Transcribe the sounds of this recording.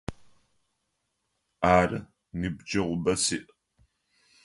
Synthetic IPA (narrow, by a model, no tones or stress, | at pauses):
aːrɨ | nɨbd͡ʒɐʁʷʊbɐsiːʔ